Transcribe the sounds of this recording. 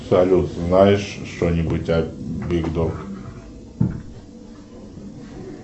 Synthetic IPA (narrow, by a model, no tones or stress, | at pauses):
sɐlʲut̪znajɪʂʂt̪onʲɪbutʲɐbʲɪɡd̪ok